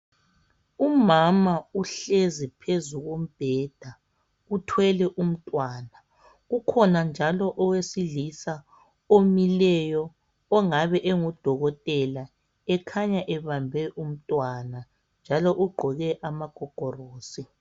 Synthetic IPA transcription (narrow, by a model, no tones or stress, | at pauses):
umamauɬezipʰezuɣom̩b̥ʱɛd̥ʱa | utʰwɛlɛʔum̩tʼwaːna | ɣukʰɔnand͡ʒʱalɔʔɔwesilisa | omilɛjɔː | ŋaβɛʔeŋud̥ʱɔɣɔtʼɛla | ɛkʰaɲaʔɛβambʱɛʔum̩tʼwana | nd͡ʒʱalɔʔuɡ͡ǃʱɔɣɛʔamaɡ̥ʱɔɡ̥ʱɔroːsi